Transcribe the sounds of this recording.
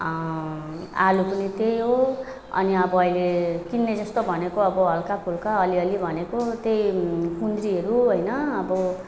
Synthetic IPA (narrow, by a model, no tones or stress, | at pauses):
alupunit̪ejɦo | ʌ̰niʌbʌːilekinːed͡zʌst̪obʱʌnekoʌbʌɦʌlkapʰulkaʌliʌlibʱʌnekot̪ejkund̪ɾiʌɾuɦʌjnʌʌbʌ